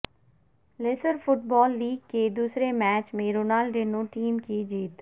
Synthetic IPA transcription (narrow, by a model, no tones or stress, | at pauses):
leːsəɾfʰʊʈbɔːlːiːɡ̚keːd̪uːsɾemɛːt͡ʃmẽːɾoːnaːlɖenõːʈiːmkiːd͡ʒiːt̪